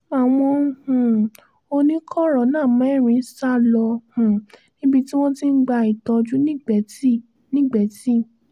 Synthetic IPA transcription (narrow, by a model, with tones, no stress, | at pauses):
a˨w̃ɔ̃˧hũ˨ | o˧nĩ˦kʰɔ˦˨ɾɔ˨˦nãː˦˨mã˨˦ɛ˦˨ɾ̃ĩ˨˧˦sa˦˨lɔ˧hũ˨nĩ˦bi˧ti˦w̃ɔ̃˦tĩ˦n̩˦ɡ͡ba˧i˨tɔ˧d͡ʒu˦nĩ˦ɡ͡bɛ˨ti˦ | nĩ˦ɡ͡bɛ˨˦ti˦˨